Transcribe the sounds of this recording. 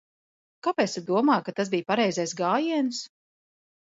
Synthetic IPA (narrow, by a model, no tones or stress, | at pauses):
kapɛt̪sad̪uɔmaːjkat̪asbijpaɾɛjzɛjsɡaːjiɛns